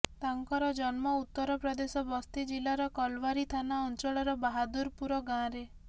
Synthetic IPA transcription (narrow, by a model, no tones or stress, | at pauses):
t̪aŋkɔɾɔd͡ʒɔnmɔut̪ːɔɾɔpɾɔd̪esɔbɔst̪id͡ʒilaɾɔkɔlʋaɾit̪ʰanaɔnt͡ʃɔɭɔɾɔbaɦad̪uɾpuɾɔɡãɾe